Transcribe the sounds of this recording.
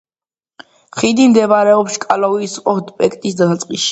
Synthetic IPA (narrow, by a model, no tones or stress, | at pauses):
χid̪imd̪ɛvaɾɛɔpʃkʼalɔiːsqʼɔd̪pʼɛkʰʼt̪ʼisd̪asat̪sʼqʼiʃi̥